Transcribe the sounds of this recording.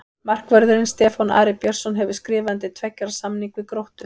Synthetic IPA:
mar̥kvɛɾðʏɾɪnst̪ɛːfɔna̰ːɾɪpjɛɾ̥sɔnɦɛvɪskɾɪːvant̪ɪt̪ʰvɛcːaɾsamniŋkvɪkɾowht̪ʏ

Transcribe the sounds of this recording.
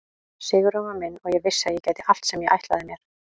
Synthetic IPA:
sɪːɣʏɾɔvamɪnːɔɣjɛɣvɪsːajɛcaːjt̪ɪʔal̥t̪sɛmjɛɣʔa̰jht̪laðɪmjɛɾ̥

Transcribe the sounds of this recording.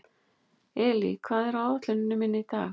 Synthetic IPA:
ɛːlḭkʰv̥aːðɛɾawat̪lʏnɪnːʏmɪnːɪit̪a̰ː

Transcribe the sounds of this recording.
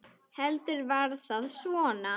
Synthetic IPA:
hɛlt̪ʏɾvaɾðθaðsvɔːna

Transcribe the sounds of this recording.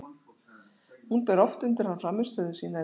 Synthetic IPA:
hunpɛɾɔft̪ʏnt̪ɪɾ̥hanːfɾamːɪ̥st̪œːðʏ̥siːna

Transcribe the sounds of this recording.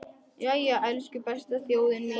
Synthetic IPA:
jajɛʔɛlscʏpɛst̪aθjoːwðɪnmɪ

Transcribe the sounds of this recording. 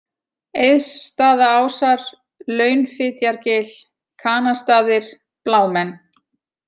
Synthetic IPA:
ejðsːt̪aːðaaːwsaɾ̥ | lœːɥnfɪːt̪jaɾcɪːl | kʰaːnast̪aːðɪɾ̥ | plaːwmɛnː

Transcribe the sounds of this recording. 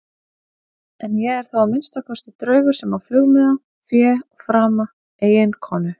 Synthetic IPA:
ɛnjɛɣɛɾ̥θawamɪnst̪akʰɔst̪ɪt̪ɾœːɥɣʏ̥sɛmafʏɣmɛða | fjɛːɔɣfɾaːma | eːjɪnkʰɔːnʏ

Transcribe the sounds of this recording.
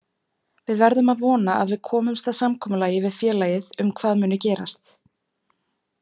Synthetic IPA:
vɪðvɛɾðʏmaðvɔːnaa̰ðvɪðkʰɔːmʏmst̪asamkʰɔːmʏlaːjɪvɪðfjɛːlaːjɪðʏmkʰvaːðmʏːnʏcɛːɾa̰st̪

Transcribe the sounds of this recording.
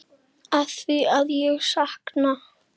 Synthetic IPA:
aθviaðjɛɣsahkna

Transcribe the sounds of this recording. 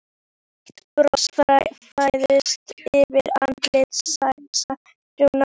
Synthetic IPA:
pɾɔsfɾajfajðɪst̪ɪvɪɾa̰nt̪lɪt̪sajsa | t̪una

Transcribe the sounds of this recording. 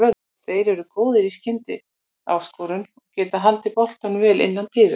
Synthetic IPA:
œ | θeːjɾɛɾʏkoːwðɪɾiscɪnt̪ɪ̰ | a̰ːwskowɾʏnɔcɛːt̪aɦalt̪ɪpɔl̥t̪anvɛːlʔɪ̰nːant̪ʰiːðʏ

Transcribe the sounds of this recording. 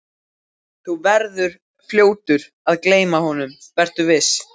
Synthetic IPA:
θuvɛɾðʏɾ̥ | fljoːwt̪ʏɾ | aðkleːjmahɔnʏmvɛr̥t̪ʏvɪs

